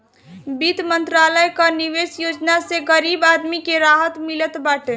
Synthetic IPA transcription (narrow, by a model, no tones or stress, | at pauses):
bit̪mənt̪ɾaləjkəniʋesjod͡ʒnaseɡəɾibad̪mikeɾaɦət̪milət̪baʈe